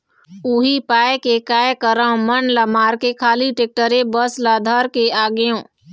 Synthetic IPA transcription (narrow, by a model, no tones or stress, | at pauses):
uɦipaːekekaːjkəɾãmənləmaːɾkekʰaːliʈeːk̚ʈəɾebəslaːd̪ʱaɾkeaːɡjõː